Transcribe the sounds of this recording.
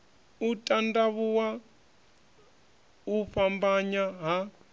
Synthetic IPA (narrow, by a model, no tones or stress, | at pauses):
utʼandaβuwa | uɸambaɲaɦa